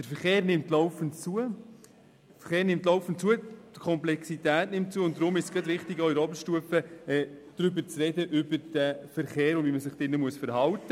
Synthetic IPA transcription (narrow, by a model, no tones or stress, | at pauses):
d̥əɾfəɾχeːɾnɪmtlɔʊfənt͡suə | fəχeːɾnɪmtlɔʊfəntt͡suːəd̥kʰɔmplɛksitæːtnɪmt̚t͡suəʊnt̚dɾʊmɪʃsɡ̥ɑtʋɪχtɪɡoɪɾɔbəɾʃtuəfəɛːd̥ɾʏbəɾt͡srɛdəʔʏbəɾd̥əfəɾχeːɾʊnvʋiməsɪχd̥ɪnːəmuəsfəɾhɑltːə